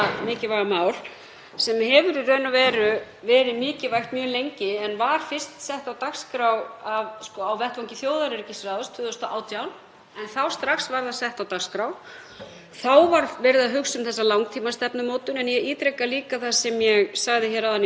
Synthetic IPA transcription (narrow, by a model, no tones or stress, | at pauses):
mɪːcɪvaɣamaːwl̥ | sɛmhɛvʏɾirœːɥnavɛːɾʏ | vɛːɾɪmɪːcɪvajxt̪mjœːlejɲcɪɛnvaɾ̥fɪr̥st̪sɛht̪awt̪akskɾawavskɔawvɛht̪vawŋcɪθjoːwðaɾɛɾcɪsɾaðʏst̪ʰʏðost̪ɔʔaːwt̪ʰjawn | ɛnθawst̪ɾaxsvaɾðasɛht̪awt̪axskɾaw | θawvaɾvɛɾɪðaɦʏksʏmθɛsːalawŋkt̪ʰiːmast̪ɛpnʏmoːwt̪ʏnɛnjɛiːt̪ɾɛkːaliːkaθasɛmjɛɣsaɣðɪçɛːɾawðanː